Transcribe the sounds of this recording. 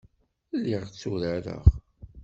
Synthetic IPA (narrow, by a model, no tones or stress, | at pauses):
lːiʁt͡sːuɾəɾə̰ʁ